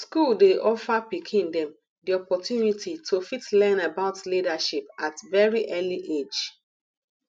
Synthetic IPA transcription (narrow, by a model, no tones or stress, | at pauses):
skuldeʔɔfapikʰĩndɛ̃m | diɔpɔtjunitʰitʰofitlɛ̃nabaʊtlidaʃipatvɛɹiʔɛliʔed͡ʒ